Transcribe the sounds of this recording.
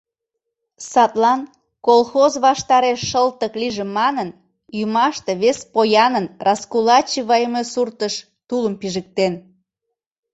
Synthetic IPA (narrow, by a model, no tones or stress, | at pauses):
sɑt̪lɑn | kolˠxozβɑʃt̪ɑɾeʃːəlt̪əkliʒemːɑnən | jumɑʃt̪eβespojɑnənrʔɑskulɑt͡ɕiβɑjəmesurt̪əʃ | t̪uləmpiʒək̚t̪en